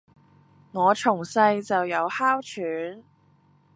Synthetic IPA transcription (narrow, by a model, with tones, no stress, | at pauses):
ŋɔː˨˧t͡ʃʰʊ˨˩ŋsɐ˧jt͡sɐ˨wjɐ˨˧whaː˥wt͡ʃʰyː˨˥n